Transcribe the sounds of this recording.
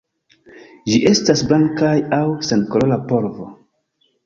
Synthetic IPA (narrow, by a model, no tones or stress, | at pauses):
d͡ʒiʔe̞stasblaŋkajawsenkolo̞lapo̞ɾvo̰